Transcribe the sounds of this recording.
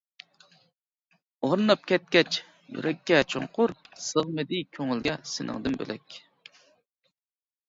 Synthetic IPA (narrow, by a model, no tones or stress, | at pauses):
oɾnɑp̚kʲʰɛt̪̚kʲɛt͡ʃ | jy̰ɾʔɛkʲːɛt͡ʃʰo̰ɴqʰʊɾsəʁmɨd̪ɪkʲʰøŋɪlɡʲɛsɪnʔɪ̰ŋd̪ɨmbø̰lʔɛkʲ